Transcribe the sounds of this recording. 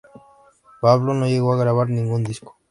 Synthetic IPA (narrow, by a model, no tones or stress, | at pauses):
paβlono̞ʝeɣoaɣɾaβ̞aɾnĩŋɡund̪isko̥